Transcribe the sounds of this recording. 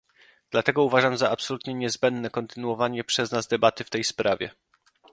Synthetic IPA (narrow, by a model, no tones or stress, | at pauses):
d̪̥lat̪ɛɡɔuvaʐamzaʔapsɔlut̪ɲɛɲɛzbɛnd̪nɛkɔnt̪ɘnuwɔvaɲɛpʂɛznazd̪ɛbat̪ɘft̪ɛjspɾʔavʲjɛ̰